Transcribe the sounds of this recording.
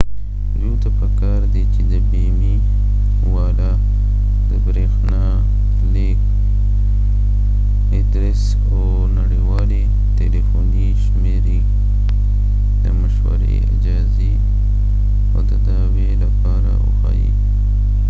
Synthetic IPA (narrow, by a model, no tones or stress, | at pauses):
jũːt̪apɐkaːɾd̪iːt͡ʃid̪əbiːmi | waːla | d̪əbɾeːxnaː | leːk | ɪd̪ɾɪs | oː | nɐɽiwaːli | t̪elifoːniʃmeːɾi | d̪əmɐʃwɐ̰ɾḭɐ̰d͡ʒaːzi | od̪əd̪aːbelapaːɾa̰ṵxa̰ːjḭ